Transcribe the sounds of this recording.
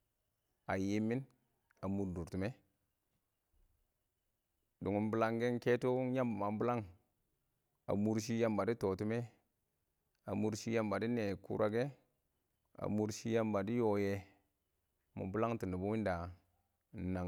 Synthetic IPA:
a˨je˦mːi˦n | a˨mu˨ɾdu˨ɾtu˨me˦ | du˨ŋu˨˦nbu˦la˦ŋɡe˦ŋ˦ke˦tu˦ja˦mba˨ma˨m˦bu˦la˦ŋ | a̰˨mu˦ɾʃ̬i˦ja˦mba˨di˦to˨tu˦me˦ | a̰˨mu˦ɾʃi˦ja˦mba˨di˦ne˨kṵ˦ɾʔa˨ɡe˦ | a̰˨mu˦ɾʃi˦ja˦mba˨di˦jo˨je˨ | mṵ˨bu˦la˦ŋti˨ndi˨bu˦wi˦nda˨ | na˨

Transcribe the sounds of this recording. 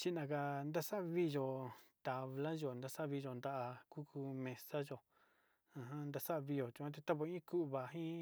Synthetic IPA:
t͡ʃi˦nã˧ka˧nd̪a˦sa˦˧βi˦ʒo˧t̪a˨βla˦ʒo˨nd̪a˧sa˦˧βi˧ʒo˧˨nd̪a˧ʔa˧ku˦kʰu˧mẽ˧sa˦ʒo˨ | ã˧ɦã˦nd̪a˧sa˦˧βi˧jo˨t͡ʃũ˧ã˦t̪̬e˧t̪a˦βo˧ĩ˦ku˦˨βa˨ɦĩ˦

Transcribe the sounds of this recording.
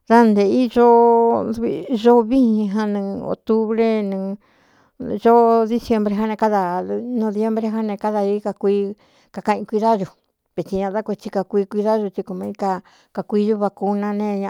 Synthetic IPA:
ða˦nd̪e˨i˦ʒo˦˧βḭ˧ʒo˦βi˦ĩ˧ɦã˧nĩ˧o̰˨t̪u˦βɾe˦nɨ̃˧ | ʒo˦ði˦sje˧mbɾe˧ɦã˦nẽ˧ka˦ða˧nõ˧ðje˧mbɾe˧ɦã˦nẽ˧ka˦ða˧i˦ka˧kʷi˧˦ | ka˧kã˧ʔĩ˧kʷi˧ða˦ʒu˧ | βe˨t͡ʃ̪i˧ɲã˧a˦kʷe˧t͡ʃi˧ka˧kʷiː˧kʷi˧ða˦ʒu˧t͡ʃ̪i˧ku˧mã˧i˦ka˧ | ka˧kʷiː˦˧ʒu˦βa˧ku˧nã˧nẽ˧ɲã˧

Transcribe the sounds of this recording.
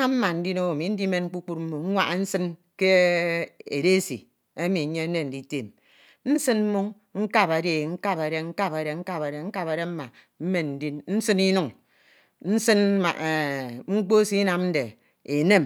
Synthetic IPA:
a˦m̩˦ma˨n̩˦di˦no˦wo˨mi˨n̩˦di˦me˨nŋ̩˦k͡pu˦k͡pu˦t̚m̩˦mu˨ŋ̩˦ŋʷa̰˦ʔa˨n̩˦sɨ˦n | ke˦ | ḛ˨de˦sḭ˨ | e˦mi˨˦ɲe˦n̩˦ne˦n̩˨di˦te˨m | n̩˦sɨ˦nm̩˦mu˦ŋ | ŋ̩˦ka˦pa˨de˦˨ŋ̩˦ka˦pe˨ɾe˦ŋ̩˦ka˦pe˨ɾe˨ŋ̩˦ka˦pa˨ɾe˨ŋ̩˦ka˦pe˨ɾe˦m̩˦ma˨ | m̩˦me˨nn̩˨˦di˦nn̩˦sɨ˦ni˦nu˨ŋ | n̩˦sɨ˦n˦ma̰˨ʔe˨ŋ͡m̩˦k͡po˦si˦na˨mn̩˦de˨ | e˨ne˦m

